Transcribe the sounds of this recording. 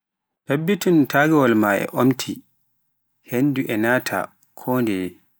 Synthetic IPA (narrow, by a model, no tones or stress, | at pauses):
tabːituntaɡɛwɔlmaʔɛ̰ʔomtʰi | henːduʔɛnaːtʰa̰ | kʰɔːndɛ